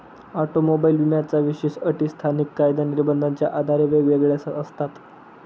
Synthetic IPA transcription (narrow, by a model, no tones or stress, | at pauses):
aʈomobailʋimjat͡saʋiɕeɕəʈist̪ʰanikːajd̪aniɾbənd̪ant͡ɕjaʔad̪ʱaɾeʋeʋeɡɭjasat̪əst̪at̪